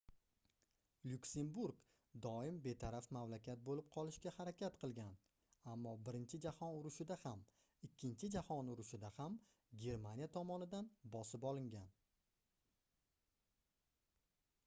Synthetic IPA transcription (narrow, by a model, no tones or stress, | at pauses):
lʲʊkʲse̞mbuɾɡ | d̪ɒɪmbe̞t̪ʰaɾafmamlakʲʰat̪̚bolɪp̚qʰɒlˠɪʃɡʲahaɾakʲʰat̪qʰɨlˠɡʲan | amːɒbɪɾɪnt͡ʃʰɪd͡ʒahɒnʊɾʊʃɪd̪aham | ɪkʲʰːɪnt͡ʃʰɪd͡ʒahɒnʊɾʊʃɪd̪aham | ɡʲe̞ɾmanjat̪ʰɒmɒnɪd̪anbɒsɪpɒlˠɪŋɡʲan